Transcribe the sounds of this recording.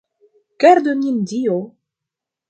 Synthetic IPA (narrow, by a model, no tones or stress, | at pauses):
kɛɾd̪ønʲind̪io